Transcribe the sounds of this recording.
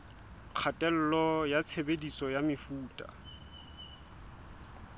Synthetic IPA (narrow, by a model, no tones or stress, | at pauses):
q͡χʰatʼɛl̩lɔjat͡sʰebedisɔjamɪfuːtʼa̰